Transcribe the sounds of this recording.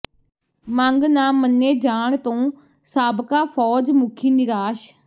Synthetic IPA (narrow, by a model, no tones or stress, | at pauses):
mãŋɡnaːmːənːeːd͡ʒaːɳt̪õː | saːbkaːpʰɔːd͡ʒmʊkʰiːnɪɾaːʃ